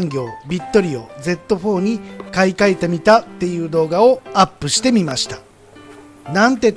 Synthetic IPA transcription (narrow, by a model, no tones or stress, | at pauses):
ŋɡʲo̞ːbʲit̪ːo̞ɾʲio̞̰ːd͡ze̞t̪ːo̞ɸo̞ːɲ̟ikaikaet̪emʲit̪at̪ːe̞jɯ̟ːd̪o̞ːɡao̞apːɯ̟ɕi̥t̪e̞mʲimaɕi̥t̪ḁ | nãnt̪e̞